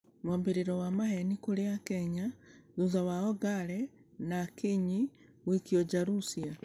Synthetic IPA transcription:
mombeɾiɾɔwamahɛnikoɾeakɛɲaðuzawaɔɡaɾɛnakiɲiwikiɔd͡ʒaɾusia

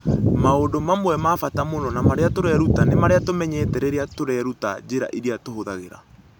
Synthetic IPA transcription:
maodomamowɛmafatamonɔnamaɾeatoɾɛɾutanemaɾeatomɛɲɛːtɛɾeɾeatoɾɛɾuta̰d͡ʑeɾa̰ʔiɾiatoɦoðaɣeɾa̰

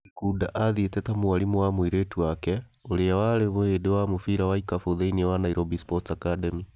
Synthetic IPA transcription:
kudaʔaðietetamuwalimuwamwiɾetwake | olejawaleβuhedewamufiɾawaikafuðeinewanaiɾobispotakademi

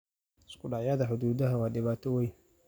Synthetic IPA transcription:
ɪskʊɗaʕjaːðɐħʊd̪uːd̪ɐɦɐwɑːɗɪβaːt̪ʰɔwɛj

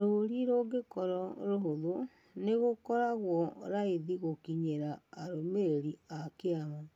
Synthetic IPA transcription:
ɾoɾiɾoɡekɔɾɔɾoɦoðo | neɣokɔɾaɣwɔɾaiðiɣokiɲeɾaːɾomeɾeɾiakeama

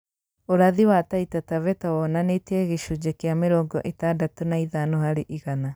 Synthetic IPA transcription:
oɾaðiwataitatavɛtawɔnanetɛɣeʃud͡ʑekeameɾɔːŋɡɔ̰ʔetadatonaiðanɔhaɾeʔiɣana

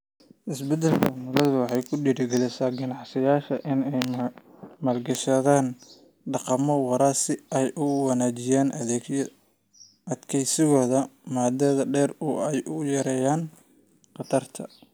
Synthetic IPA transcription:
ʔɪsbɛd̪ɛlkʰɐmʊlɐðʊwɑħɑjkʰʊɖiːɽɪɡɐlɪsaːɡɐnɑʕsɪjaːʃɐʔɪnɛj | maːlɡɐʃɐðaːn | ɖɑqɑmɔwɑɾaːsɪʔɛjʔʊwɑnaːt͡ʃɪjaːnɐɛ | ʔɐd̪kʰɛjsɪɣɔːðɐmaːd̪ɛːðɐɖɛːrʊɛjʔʊjɐɾɛːjaːn | qɑt̪ʰɐrt̪ʰɐ̰

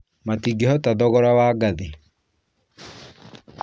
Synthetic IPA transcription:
matiɡehɔtaðɔɣɔɾawaːɡaðe

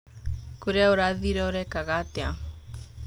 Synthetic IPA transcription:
koɾeaoɾaðiɾɛoɾɛkaɣatea

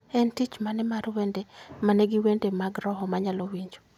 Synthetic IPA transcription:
ɛntit͡ʃmanɛmarwendemanɛɡɪwendemaɡɾɔɦɔmaɲalowiɲd͡ʒo̥

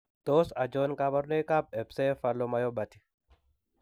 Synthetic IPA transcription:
d̪̥oːsɐd͡ʒoːnkɐbɐɾneːkabɛbseːfɐlːɔmɐjɔbɐt̪ɪ̥

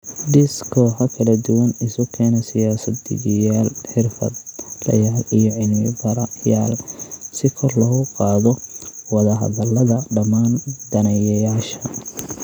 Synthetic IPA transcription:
ɖ̪ɪskʰɔːħɐkʰɐlɐd̪ʊwɐnɪsʊkʰɛːnɐsɪjaːsɐd̪ɪ̰ɣjaːlħɪrfɐ̰d̪lɐ̰jaːlijɞʕɪlmɪbɐɾɐja̰ːlsɪkʰɔrlɔɣʊqɑːðɔwɑðɐɦɐ̰ðɐlɐðɐɖɐmaːnd̪ɐnɐjɐjaːʃɐ

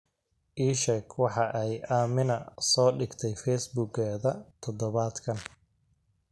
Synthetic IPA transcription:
ʔiːʃɛkʰwɑħɑʔɛjʔaːmɪnɐsɔːɖɪɡt̪ʰɛjfɛjsbuːɡɛːðɐt̪ʰɔd̪ɔβaːd̪kʰɐn

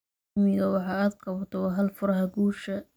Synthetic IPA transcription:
mɪɣɐwɑħɑːaːd̪qɑβɐt̪ʰɔwɑɦɐlfʊɾɐɦɐɡuːʃɐ

